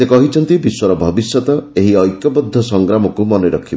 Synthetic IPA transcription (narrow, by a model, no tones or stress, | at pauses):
sekɔɦit͡ʃʰɔnt̪ibiswɔɾɔbʱɔbisjɔt̪ɔeɦiɔjkjɔpɔd̪ʱːɔsɔŋɡɾamɔkumɔnɔɾɔkʰib